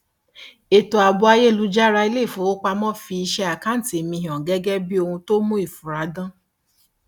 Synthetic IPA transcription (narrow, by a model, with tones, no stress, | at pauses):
e˨to˨a˨bu˧a˧je˦˨lu˧˦d͡ʒa˦ɾa˧i˧˦le˦˨fo˨˦o˦k͡pa˧mɔ̃˦fi˧i˧ʃɛ˧a˨kã˦n̩˨te˨mĩ˧ɦɔ̃˨ɡɛ˦ɡɛ˦bi˦o˧hũ˧to˦mũ˦i˦˨fu˨ɾa˨˦dã˦